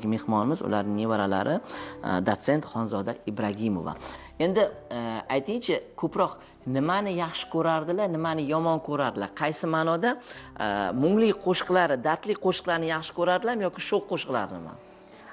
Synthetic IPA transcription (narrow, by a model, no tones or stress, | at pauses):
ɡʲɪme̞hmɒnɪmɪzʊ̰la̰ɾnɪŋnevaɾala̰ɾʔɪd̪ot̪se̞nt̪χɒnzɒd̪aibɾaɡʲimo̰va̰ | e̞nd̪ɪajt̪ʰɪŋt͡ʃʰɪkʰɵpɾɒq | nɪmanɪjɑχʃɪ̥kʰɵɾaɾd̪ɪlanɪmanɪjɒmɒnkʰɵɾaɾd̪ɪlaɾqʰɑjsɪmaːnɒd̪a | mʊŋlɪqʰoʃqlˠaɾɪd̪aɾt̪lɪjqʰoʃɨ̥qlˠaɾɪnɪjɑχʃɪ̥kʲʰɵɾaɾd̪ɪlamjɒkʲɪʃoqːoʃqlˠa̰ɾd̪ɪma̰n